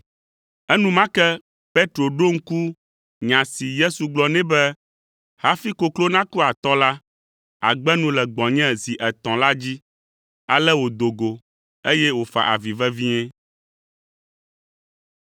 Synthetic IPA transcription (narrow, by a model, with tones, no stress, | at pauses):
ɛ˦nũ˦mã˦kɛ˦ | pe˦t̪ɾo˨ɖo˦ŋ̩˦ku˦ | ɲã˨si˨je˦su˨ɡ͡blɔ˨nɛ̃˦bɛ˦ | ha˦fi˦ko˨klo˦nã˦ku˦a˨t̪ɔ˦la˦ | a̰˨ɡ͡bɛ˦nũ˦lɛ˨ɡ͡bɔ̃˨ɲɛ̃˦zi˨ʔɛ˨t̪ɔ̃˨la˦d͡ʑi˦ | a˨lɛ˦wo˨d̪o˨ɡo˨ | e˦jɛ˦wo˨fa̰˨ʔa̰˨vi˨vɛ˦vi˦ɲɛ̃˦